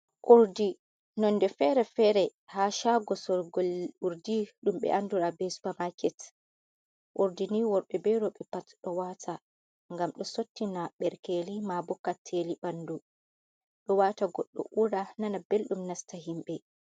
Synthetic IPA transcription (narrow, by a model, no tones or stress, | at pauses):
ʔuɾdi | nɔndɛfɛɾɛfɛɾɛhaʃaɡɔsɔɡuɾdiɗumɓɛ̰ʔanduɾabɛsu̥pamakɛt | ʔoɾdiniwɔɾɓɛbɛɾɔɓɛpatɗɔwatʰa | ŋɡamɗɔsotːinaɓɛɾkelimabɔkːatʰːeliɓandu | ɗɔwataɡɔɗːɔ̰ʔuɾananabelɗumnastaɦimɓɛ